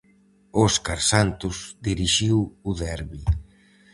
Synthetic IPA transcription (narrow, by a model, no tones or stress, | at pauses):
ɔskaɾsant̪ʊzd̪iɾiʃiwuðɛɾβi